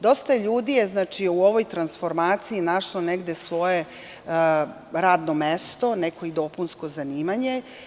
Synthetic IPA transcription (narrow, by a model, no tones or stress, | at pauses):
d̪o̞st̪aeʎuːd̪ijeznaːt͡ʂiuo̞ʋo̞jt̪ɾansfo̞ɾmaːt̪siinaʂloneɡd̪e̞sʋo̞je | ɾaːd̪nomest̪o̞neko̞id̪o̞punsko̞zaniːmaɲe̞